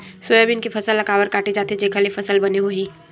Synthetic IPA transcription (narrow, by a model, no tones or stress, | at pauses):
sʊjəbɪnkifʰɐsəlːɐɡaːwəɾkaːʈed͡ʒaːt̪ed͡ʒeːkʰəlefɐsəlbɐneɦoɦiː